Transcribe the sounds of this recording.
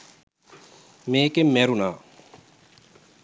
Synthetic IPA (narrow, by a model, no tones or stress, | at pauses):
meːkemːeɾunaː